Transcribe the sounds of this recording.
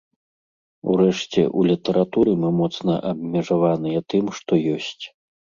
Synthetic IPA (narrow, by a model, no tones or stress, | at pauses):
ṵɾɛʂt͡sʲɛ̰ʔulʲit̪ɐɾʔat̪uɾɨmɨmɔt̪snɐ̰ʔɐbʲmʲɛʐavanɨjɐt̪ɨmʂt̪ɔjɔsʲt͡sʲ